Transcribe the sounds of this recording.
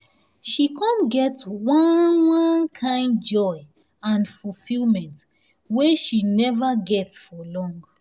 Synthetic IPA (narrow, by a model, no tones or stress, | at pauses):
ʃikʰɔ̃nɡɛtwɔnwɔ̃nkʰãɪ̃nd̚d͡ʒɔɪ | ãnfulfilmɛ̃nt | weʃinɛvaɡɛtsfɔlɔ̃ŋɡ